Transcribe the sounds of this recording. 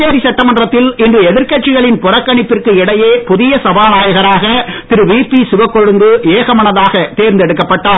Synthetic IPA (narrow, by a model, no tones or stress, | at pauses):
eːɾisɐʈːɐmɐndrɐt̪ːɪlɪndrɯɛðɪɾkɐʈ̚t͡ʃɪɣɐɭɪnpʊrɐkːɐɳɪpːɪrkɯɪɽɐjeːpʊðɪjɐsɐbaːnaːjɐɣɐɾaːɣɐt̪ɪɾɯʋiːpːisɪʋɐkːɔɻɯŋɡ̪ɯeːɣɐmɐɳɐðaːɣɐt̪eːɾnd̪ɛɽɯkːɐpːɐʈːaː